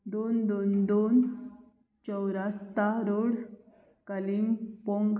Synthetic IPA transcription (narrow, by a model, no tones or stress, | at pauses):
d̪ond̪ond̪on | t͡ɕəwɾast̪aɾoɽ | kəliŋpoŋɡ